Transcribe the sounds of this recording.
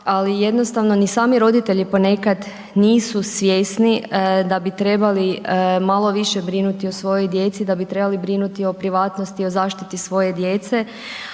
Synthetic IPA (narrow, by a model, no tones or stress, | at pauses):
alijed̪no̞st̪aʋno̞nisaːmiɾo̞d̪it̪e̞ʎipo̞ne̞kad̪ | niːsusʋje̞snid̪abit̪ɾe̞balimalˠo̞ʋiʃe̞bɾinut̪io̞sʋo̞jo̞jd̪je̞t̪sid̪abit̪ɾe̞balibɾinut̪io̞pɾiʋaːt̪nost̪io̞zaːʃt̪it̪isʋo̞je̞d̪je̞t̪se̞